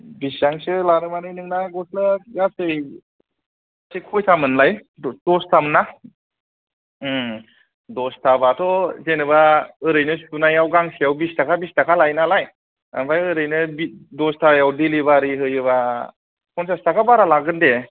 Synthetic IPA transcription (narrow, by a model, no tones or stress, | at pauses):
bisjaŋsɯlaɾɯmanɯjnɯŋnaɡɔslaɡasɯj | asejkʰɔjtʰamɯnlaj | d̥ɔstʰamɯnːa | dɔstʰabatʰɔzenɯbaɯɾɯjnɯsunajawɡaŋsijawbistʰakʰabistakʰalajnalaj | ambajɯɾɯjnɯbidɔstʰajawdelibaɾiɦɯjɯβa | kʰɔnsastʰakʰabaɾalaɡɯnde